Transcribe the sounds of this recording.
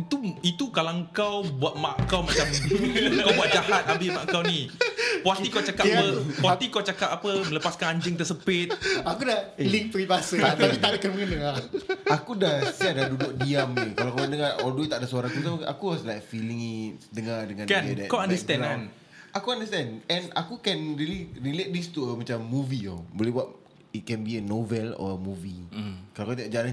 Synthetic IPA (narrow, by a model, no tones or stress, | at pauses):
it̪uit̪ukalaŋkawbuat̪̚maʔkawmat͡ʃamkawbuat̪̚d͡ʒaɦat̪̚abɪmaʔkawnĩpoat̪ikawt͡ʃakabəpɔat̪ikawt͡ʃakap̚apəmə̃ləpaskanaɲd͡ʒəŋt̪əsəpɪt̪̚akudailiŋ̚pəɾibasət̪apit̪aʔakaməŋənəŋaakudahsadadudʊk̚diamɲəkalakanəŋaʔɔdoit̪aʔdasaɾãakut̪aa̰kuwɔslajk̚filĩŋidəŋadəŋãndkandɛʔkaandəst̪ɛ̃nan | akuãndəst̪ɛ̃nɛ̃na̰kukɛ̃nɹiliɹilet̪̚dist̪uəmãt͡ʃamːuvio̰bolɛhbuaʔ | it̚kɛ̃nbiənovɛlɔ̰əmuvikalakat̪idaʔd͡ʒalan